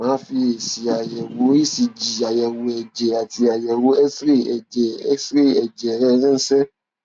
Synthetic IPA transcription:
mãː˨˦fi˧e˨si˨˦a˨jɛ˨wo˨˦i˦˨si˧d͡ʒi˨a˨jɛ˨wo˨˦ɛ˨d͡ʒɛ˨a˨ti˧˦a˨jɛ˨wo˨˦ɛ˦sɾi˦˨ɛ˨d͡ʒɛ˨ɛ˦sɾi˦˨ɛ˨d͡ʒɛ˨ɾɛ˦˧ɾĩ˦n̩˦sɛ˦

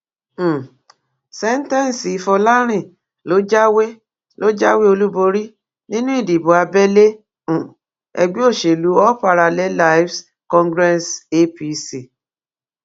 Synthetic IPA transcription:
sɛ˦n̩˦tɛ̃˦˨n˨si˨i˨˧fɔ˧la˦ɾ̃ĩ˦˨ | lo˨˦d͡ʒa˦we˦ | lo˦d͡ʒa˦we˦o˧lu˦bo˧ɾi˦ | nĩ˦nũ˦i˦˨di˨bo˨a˧bɛ˦lẽ˦˨ | ɛ̰˧ɡ͡be˦o˦˨ʃe˨lu˨˦ɔ˦pa˧ɾa˧lɛ˦la˦fs | kɔ̃˦ŋɡɾɛ˦se˦pi˦si˨

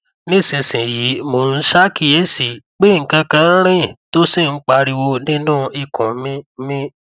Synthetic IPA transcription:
nĩ˦˨sĩ˨sĩ˨ji˨˦mo˨˦n̩˦ʃa˦ki˦je˨˦si˨k͡pe˦˨ŋ̩˨kã˧kã˧n̩˦ɾ̃ĩ˦to˦si˦˨n̩˦k͡pa˧ɾi˧wo˧nĩ˦nũ˦i˧˨kʰɔ̃˨˦mĩ˦mĩ˦

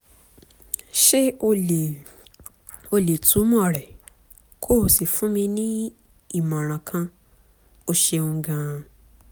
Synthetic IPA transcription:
ʃe˦o˧˨ | o˧le˨tʰũ˨˦mɔ̃˦˨ɾɛ˨ | kʰo˦˨si˨fũ˦mĩ˧nĩ˦ | i˦˨mã˨ɾ̃ã˨kʰã˧ | o˧ʃe˧ũ˧˦ɡã˧

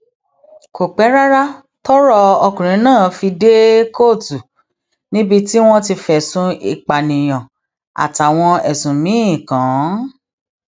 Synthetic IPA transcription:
ko˨k͡pɛ˨˦ɾa˦ɾa˦ | tɔ˦ɾɔ˧ɔ˧kũ˨ɾ̃ĩ˨˦nãː˦˨fi˧de˦ko˦˨tu˨ | nĩ˦bi˧ti˦w̃ɔ̃˦ti˧fɛ˨sũ˧i˨k͡pa˨nĩ˨j̃aɔ̃˨ | a̰˨ta˨w̃ɔ̃˧ɛ˨sũ˨mĩ˨˦ĩ˦˨kã˨˦

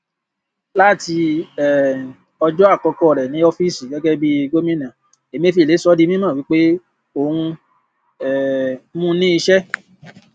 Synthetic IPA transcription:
la˦˨ti˧ɛ˨ | ɔ˧d͡ʒɔ˦a˦˨kɔ˧kɔ˧˦˨ɾɛ˨nĩ˨˦o˧fi˦si˨ɡɛ˨˦ɡɛ˦bi˦˧ɡo˦mĩ˦nã˨ | e˨mĩ˦e˧˨fi˧˨e˨˦sɔ˦di˦mĩ˦mã˦˨wi˨˦k͡pe˦ | o˧hũ˧ | ɛ˨mũ˦nĩ˦i˧ʃɛ˦

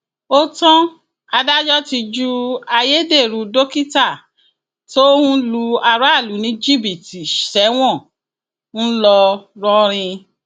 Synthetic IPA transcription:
o˦tɔ̃˦ | a˧da˦d͡ʒɔ˦ti˧d͡ʒu˦a˧je˦de˦˨ɾu˧do˦ki˦ta˦˨ | to˦hũ˦lu˧a˧ɾa˦a˦˨lu˨˦nĩ˨˦d͡ʒi˦˨bi˨ti˨ʃɛ˨˦w̃ɔ̃˦˨ | n̩˦lɔ˧ɾɔ˧ɾ̃ĩ˧

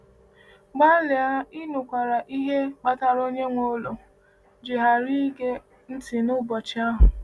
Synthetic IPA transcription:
ɡ͡ba˦lɪ˨a˦i˦nʊ˨kʷa˨ɾa˨ʔi˦ɦe˦k͡pa˦ta˦ɾo˦ɲe˦ŋʷo˦lo˨ | d͡ʒɪ˨ɦa˨ɾi˦ɡe˦ | n̩˦tɪ˨nʊ˦bɔ˨t͡ʃɪ˦a˦ɦʊ˨

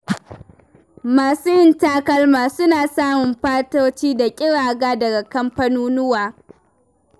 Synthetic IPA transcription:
maː˨suː˦jɪ˦ntaː˦kɐ˦lmaː˨sʊ˦naː˨saː˦mʊ˨mɸaː˦toː˦t͡ʃiː˦da˨kʲʼɪ˦ɽaː˨ɡaː˦dɐ˨ɡa˨kɐ˦mɸɐ˦nuː˦nʊ˦waː˨

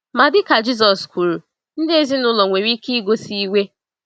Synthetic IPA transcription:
ma˨dɪ˦ka˨d͡ʒi˦s̬ɔ˨sku˨ɾu˨ | n̩˦de˦zi˦nʊ˦lɔ˨ŋʷe˨ɾi˦ki˦ɡo˦si˦wʷe˦

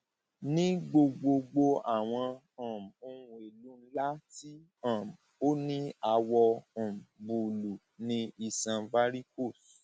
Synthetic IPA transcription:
nĩ˦ɡ͡bo˧ɡ͡bo˧ɡ͡bo˧a̰˦˨w̃ɔ̃˧ | ã˨m˨o˧ũ˧e˨lu˨˦n̩˦la˦ti˦ | ã˨m | o˦nĩ˦a˧wɔ̃˧˨m̩˨bu˨lu˨ | nĩ˧i˨sã˧va˦ɾi˦ko˦˨s

